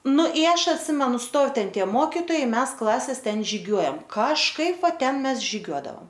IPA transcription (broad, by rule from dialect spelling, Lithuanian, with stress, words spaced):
ˈnʊ ɪ ˈɐʃ ɐtʲˈsʲɪmʲɛnʊ ˈstoːw ˈtʲɛn ˈtʲiɛ ˈmoːkʲɪtoːjɛɪ ˈmʲɛs ˈklˠɑːsʲɛs ˈtʲɛn ʒʲɪˈɡʲuɔjɛm kɐʃˈkɐɪp ˈʋɐ ˈtʲɛn ˈmʲɛs ʒʲɪˈɡʲuɔdɐoːm